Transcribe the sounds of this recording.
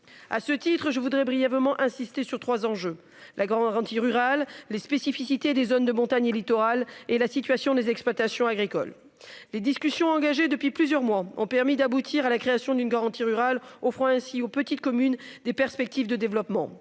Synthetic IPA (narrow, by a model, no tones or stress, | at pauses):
a̰sət̪it̪χəʒəvud̪ʁɛbʁijɛvmɑ̃ʔɛ̃sist̪esyʁt̪χwazɑ̃ʒø | lʔaɡaɑ̃ʁɑ̃t̪iʁyʁalːespesifisit̪ed̪ezond̪əmɔ̃t̪aɲelit̪ɔʁalelasit̪ɥasjɔ̃d̪ezɛksplwat̪asjɔ̃aɡʁikɔ̰lː | ed̪iskʲysjɔ̃ɑ̃ɡaʒed̪əpɥiplyzjœʁmwaɔ̃pɛʁmid̪abut̪ʰiʁalakχeasjɔ̃d̪ynɡaʁɑ̃t̪iʁyʁalofχɔ̃ɛ̃siopət̪it̪̚kɔmynd̪epɛʁspɛk̚t̪ivd̪əd̪evlɔpmɑ̰̃